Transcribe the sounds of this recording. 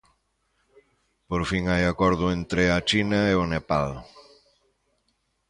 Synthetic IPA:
poɾfiŋajakɔɾðʊent̪ɾeat͡ʃinaeonepal

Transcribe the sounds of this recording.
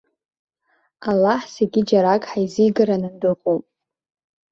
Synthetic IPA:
alːaħseɡʲid͡ʒaɾakʼħajzijɡɨɾanɨndɨχʼupʼ

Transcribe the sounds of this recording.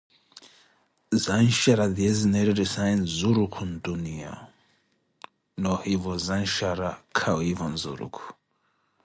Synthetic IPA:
zanʃaɾaðiɛzinɛɾɛɾɛsainzuɾukʰundunia̰ | nɔhivɔzanʃaɾakʰawivanzṵɾṵkʰu̥

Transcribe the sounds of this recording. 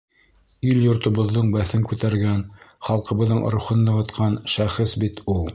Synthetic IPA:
iljŏɾt̪ŏβŏðːɤɴbæθɘŋkʉt̪æɾɡænχɑlˠqɤ̆βɤ̆ðːɤɴ̆ɾŭχɤnːɤ̆ʁɤ̆t̪qʰɑnʃæχɤsbit̪ulˠ

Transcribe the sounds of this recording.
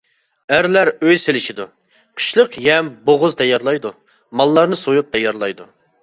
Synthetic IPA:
æɾlæɾøjselɪʃid̪u | qʰə̥ʃlˠəqjɛmboʁʊzt̪ʰɛjɑɾlˠɑjd̪u | mɑlˠːɑɾnɨsojup̚t̪ʰɛjɑɾlˠɑjd̪ṵ

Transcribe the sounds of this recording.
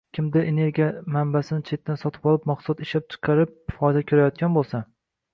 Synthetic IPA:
kʲʰɪmd̪ɪʔene̞ɾɡʲijamambasɪnɪt͡ʃʰe̞t̪ːansɒt̪ʰɪ̥pɒlˠɪpmɑqsˠɒt̪ɪʃlap̚t͡ʃʰɨ̥qʰɑɾɪp̚fɒjd̪akʲʰoɾajɒt̪̚kʲanbolˠsan

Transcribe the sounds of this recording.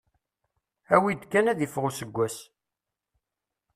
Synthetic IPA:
æwid̪kːænæðəfʁusəɡʷːæs

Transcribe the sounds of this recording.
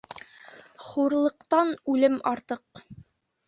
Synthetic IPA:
χuɾlˠɤ̆qt̪ɑnʉlɘmɑɾt̪ɤq

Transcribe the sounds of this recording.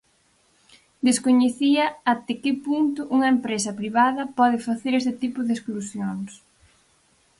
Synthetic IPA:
d̪eskoɲeθiɐat̪ekɪpunt̪ʊʔuŋɐempɾesɐpɾiβaðɐpɔðɪfaθeɾest̪ɪt̪ipʊðesklusjoŋs

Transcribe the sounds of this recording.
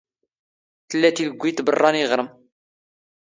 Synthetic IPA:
θəlːæt̪iləɡʷːit̪bərˤːɑniʁɾˤəm

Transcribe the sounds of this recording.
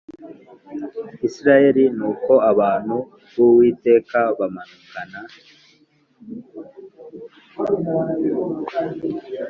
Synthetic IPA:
isiɾaje̞ɾinuːko̞aβaːn̥hu | βuwiːte̞ːkaβamanukana

